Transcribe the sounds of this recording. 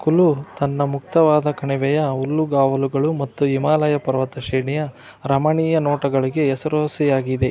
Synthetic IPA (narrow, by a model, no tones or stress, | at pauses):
kulut̪ɐnːɐmuk̚t̪ɐʋaːd̪ɐkɐɳiʋɛjɐulːuɡaːʋɐluɡɐɭumɐt̪ːuimaːlɐjɐpɐɾɐʋɐt̪ɐʃɛːɳijɐ | ɾɐmɐɳiːjɐnoːʈɐɡɐɭiɡe̞ɛsɐɾoːsijaːɡid̪e̞